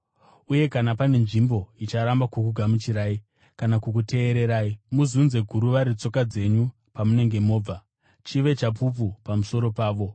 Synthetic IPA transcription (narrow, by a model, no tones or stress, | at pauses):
uje̞kanapane̞nʐimbo̞it͡ʃaɾambakukuɡʱamut͡ʃiɾaːi | kanakuk̬ute̞ːɾe̞ɾaːimuzunze̞ɡʱuɾuʋaɾit͡so̞kad͡ze̞ɲu | pamune̞ŋɡe̞mo̞ːb͡va | t͡ʃiʋe̞t͡ʃap̬up̬upamuso̞ɾo̞paːʋo̞